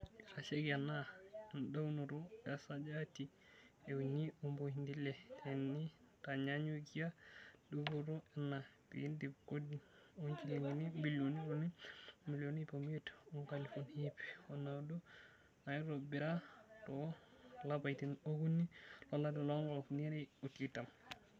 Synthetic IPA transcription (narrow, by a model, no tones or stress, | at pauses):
aseɡanandawnuɾɔɛsad͡ʒati | ɛuɲiumbohindilɛtʰɛnːi | taɲaɲuɡijadubuɾɔɛnabḭindikodiɔnt͡ʃiliŋɡinimbiloniɾonimilonipomɛtɔŋkalifunhipɛ̥ɔnawdɔ | najɾɔbiɾatɔlabajtinoɡunːilɔlːadɛlɔŋɡɔlfniɾɛɔtitam